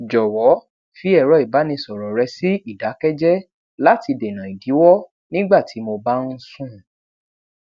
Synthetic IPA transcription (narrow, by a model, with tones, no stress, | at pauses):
d͡ʒɔ˨wɔ˨˦ | fi˨˦ɛ˦˨ɾɔ˨˦i˨ba˨˦nĩ˧sɔ˨ɾɔ˨ɾɛ˧si˦i˦˨da˨˦kɛ˦d͡ʒɛ˦ | la˦ti˧de˨nã˨i˨di˨˦wɔ˦ | nĩ˦ɡ͡ba˦˨tʰi˨˦mo˧ba˦n̩˦sũ˦˨